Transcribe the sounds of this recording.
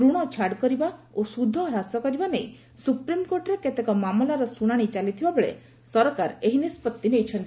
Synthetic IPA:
ɾuɽ̃ɔt͡ʃʰaɽkɔɾibaosud̪ʱɔɾasɔkɔɾibanej | supɾimkoɾʈɔɾeket̪ekɔmamlaɾɔsuɽ̃aɽ̃it͡ʃalit̪ʰibabeɭḛ | sɔɾɔkaɾeɦinispɔt̪ːinejt͡ʃʰɔnt̪i

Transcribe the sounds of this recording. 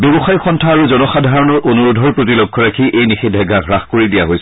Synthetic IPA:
bebɔxajxɔntʰaːɹuzɔnɔxadʱaɹɔnɔɹʔonuɹodʱɔɹpɹot̬ilɔkʰːɔɹakʰiʔejnixidʱːɛɡaɡʱɹaxkoɹidijaɦojs

